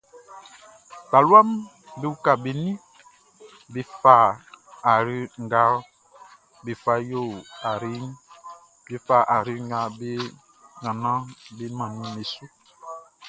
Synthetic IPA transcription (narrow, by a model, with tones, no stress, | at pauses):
ta˨lwa˦m | be˦u˦ka˨be˨nĩ˦ | be˦fa˦˨a˨ɾi˦ŋ˦ɡa˦ | be˨fa˦jo˦˨a˨ɾi˦ŋ | be˦fa˦˨ʔa˨ɾi˦ŋ˦ɡa˦be˦ | ŋa˨nã˦bi˦mã˨ni˦me˨su˦